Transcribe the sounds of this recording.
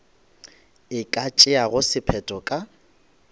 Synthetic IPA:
ɪkʼat͡ʃʼɪaɣʊsɪpʰɛtʼɔkʼa

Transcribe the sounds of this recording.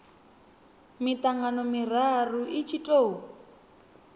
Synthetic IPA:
mitʼaŋɡanɔmir̤aruʔit͡ʃʰitʼoː

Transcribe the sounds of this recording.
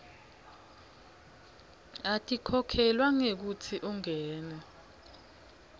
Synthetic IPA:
atʼikʰɔkʰɛlwaŋek̬utʰiʔuŋɛːnɛ

